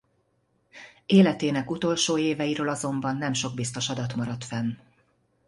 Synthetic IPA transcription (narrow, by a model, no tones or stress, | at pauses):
eːlɛt̪eːnɛkut̪o̞lʃoːeːvɛjiɾøːlɒzo̞mbɒnːɛmʃo̞ɡ̚bist̪o̞ʃɒd̪ɒt̪mɒɾɒt̪fɛn